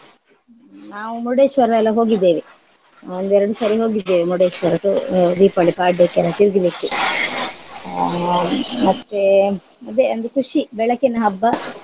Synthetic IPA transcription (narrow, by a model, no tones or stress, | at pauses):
naːʋumuɽeːʃʋɐɾɛlːɐɦo̞ːɡid̪ːeːʋi | ond̪ɛɾɐɽusɐɾiɦo̞ːɡid̪ːeːʋimuɽeːʃʋɐɾɐʈud̪iːpɐɭipaːʈːekːɛlːɐt̪iɾɡilikːi | mɐt̪ːe | ɐd̪eɐnd̪ukuʂibɛɭɐkinɐɦɐbːɐ